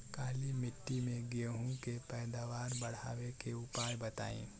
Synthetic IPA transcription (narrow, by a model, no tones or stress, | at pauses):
kaːlimɪʈːimẽɡeɦũkepɛːd̪aːʋaːɾbɐɽ̤a̰ːwekeʊpaːjbɐt̪a̰ːḭ̃ː